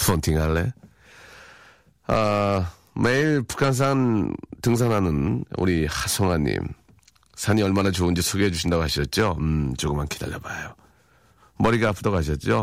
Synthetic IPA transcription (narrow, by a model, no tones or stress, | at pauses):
ʌntʰiŋaɭːe | a | meiɭpu̥kʰans̬ʰantɯŋs̬ʰanɦanɯnṵɾihasʰʌŋaɲːḭm | sʰaɲiʌɭmanat͡ɕoɯnd͡ʑisʰoɡiɦed͡ʑuɕʰindaɡoɦaɕʰiʌt̚t͡ɕ͈ot͡ɕoɡɯmankʰida̰ʎːʌbajo | mʌɾiɡaapʰɯdʌɡoaɕ̬ʰʌt̚t͡ɕ͈o